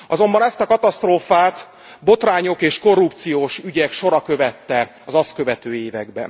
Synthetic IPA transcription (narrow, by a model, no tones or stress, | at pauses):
ɒzo̞mbɒnɛst̪ɒkɒt̪ɒst̪roːfaːt̪ | bo̞t̪raːɲo̞keːʃko̞rːup̚t̪sijoːʃyɟɛkʃo̞ɾɒkø̞vɛt̪ːɛ | ɒzɒskø̞vɛt̪øːeːvɛ̰ɡbɛ̰n